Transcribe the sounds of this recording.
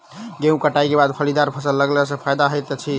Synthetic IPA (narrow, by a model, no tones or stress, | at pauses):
ɡeũkəʈajkebad̪pʰəlid̪aɾpʰəsəlːəɡləs̬ə̃pʰajd̪aɦojt̪t͡ʃʰi